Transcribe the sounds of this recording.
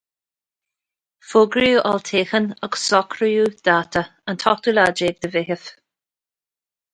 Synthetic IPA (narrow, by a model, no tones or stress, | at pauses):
fʊɡɾiuʔɔlt̪ʰeːxənəɡsɔkʰɾəjud̪̥aːt̪ʰəənt̪ʰɔt̪ulad͡ʒeːɡ̚d̪əvɪɦəf